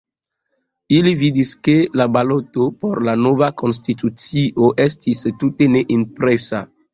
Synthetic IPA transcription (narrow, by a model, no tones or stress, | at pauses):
ilividiskelabalotopoɾlanovako̞ns̬titut͡siʔoʔestʰistute̞neʔinpɾesa